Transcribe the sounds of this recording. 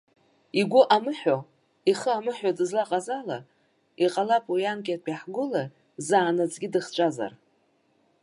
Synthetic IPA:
iɡʷʊʔamɨħo | iχəamɨħodɨzlaqʼazala | iqʼalapʼwijankʲʼat̚pʼaħɡʷʊla | zaːnat͡sʼɡʲidɨχt͡ʃʷʼaza̰r

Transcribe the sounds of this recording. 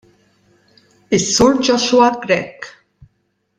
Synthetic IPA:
ɪsːʊɾd͡ʒɔʃwɐɡɾɛkː

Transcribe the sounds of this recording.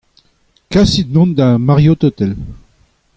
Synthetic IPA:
kasit̪̚nɔ̃nd̪amaʁjot̪ot̪ɛl

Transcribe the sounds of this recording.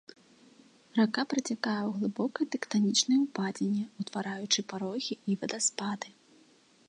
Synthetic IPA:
rakapɾɐt͡sʲakajɛwɣlˠɨbɔkɐjɛt̪ɛkt̪anʲit͡ʂnɐjɛupad͡zʲenʲːɛut̪vaɾajut͡ʂɨpaɾɔɣʲiivɐd̪aspad̪ɨ

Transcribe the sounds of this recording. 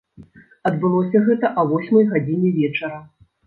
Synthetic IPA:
ɐd̪bɨlˠɔsʲɐɣɛt̪ɐʔɐvɔsʲmɐjɣad͡zʲinʲɛvʲɛt͡ʂɐɾɐ

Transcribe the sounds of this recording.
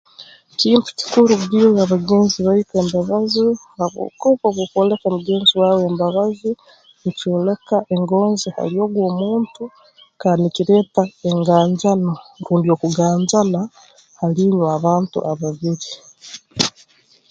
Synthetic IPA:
ciːntu̥ci̥kuɾuɡiojaβaɡe̞ːnziβaite̞ːmbaβazi | aβo̰koβoβukoːlekomuɡe̞ːnziwaːwe̞ːmbaβazi | nicoːle̞kaʔe̞ŋɡo̞ːnziha̰lio̞ːɡwo̞ːmuːntu | kaːndikiɾe̞ːtaeŋɡaːɲzanoɾuːndio̞ːkuɡaːɲzana | haliːɲwaβaːntṵʔaβaβiɾi

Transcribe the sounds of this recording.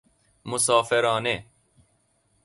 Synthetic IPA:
mʊsaːfeɾɑːne

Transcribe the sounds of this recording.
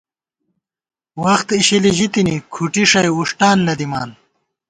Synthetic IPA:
wɐxt̪iɕiliʑit̪inikʰuʈiʂɐjuʂʈaːnːɐd̪ima̰ːn

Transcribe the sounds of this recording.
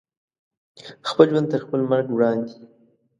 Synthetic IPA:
xpəlʒwand̪t̪əɾxpəlmaɾɡwɽɑnd̪i

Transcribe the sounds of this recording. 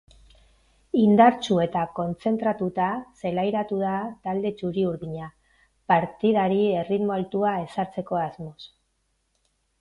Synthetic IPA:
ind̪aɾt͡ʃue̞t̪ako̞nt͡se̞nt̪ɾat̪ut̪ase̞lajɾat̪uð̞at̪ald̪e̞t͡ʃuɾiuɾðiɲa | paɾt̪iðaɾie̞rit̪mo̞alt̪uae̞saɾt͡se̞ko̞azmo̞s

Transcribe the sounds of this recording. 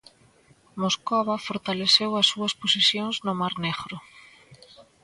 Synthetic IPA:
moskɔβɐfoɾt̪aleθewɐsːuɐsposisjoŋznʊmaɾneɣɾʊ

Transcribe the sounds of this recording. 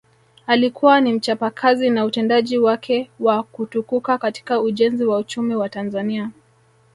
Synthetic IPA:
alikuwanim̩t͡ʃapakʰazinautɛndaʄiwakʰɛwakutukukakati̥kauʄɛnziwaut͡ʃumiwatanzania

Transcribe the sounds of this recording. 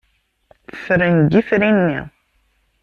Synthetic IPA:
θə̥fɾənɡifɾinːḭ

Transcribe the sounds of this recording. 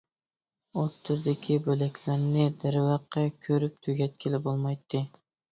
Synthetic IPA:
ot̪ʰːʊɾd̪ɪkʲʰibølakʲʰlæɾnɪd̪aɾɪvɑqːɑkʲʰøɾɪp̚t̪ʰʊɡʲat̪̚kʲʰɪlɪbolˠmɑjt̪ʰːɪ

